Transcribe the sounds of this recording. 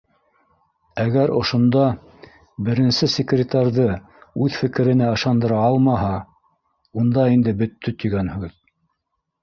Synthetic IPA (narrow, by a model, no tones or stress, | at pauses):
æɡæɾʔŏʃŏnd̪ɑ | bɘ̆ɾɘ̆nsɘsʲekrʲɪt̪ɑrʲðɤ | ʉðfɘ̆kɘ̆ɾɘ̆næɤ̆ʃɑnd̪ɤ̆ɾɑɑlˠmɑɦɑ | und̪ɑind̪ɘbɵ̆t̪ːɵt̪ɵ̆ɡænhʉð